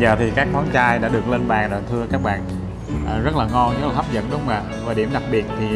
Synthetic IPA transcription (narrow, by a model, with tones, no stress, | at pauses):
zəː˨˩t̪ʰi˨˩kaː˦˥k̚mɔ˨˦nt͡ɕaː˧jɗa̰ː˧˥ɗɨ˨˩ək̚le˧nɓaː˨˩ŋɗɔ̰ː˨˩nt̪ʰɨ˧əkaː˦˥k̚ɓa̰ː˧˨n | ʔːzə˦˥t̚laː˨˩ŋɔ˧nzə˦˥laː˨˩ha˦˥p̚zə̰˧˥nɗʊ˨˦wŋ͡ma̰ː˧˨vaː˨˩ɗi˧˩əmɗa˨˩k̚ɓi˨˩ət̚t̪ʰi˨˩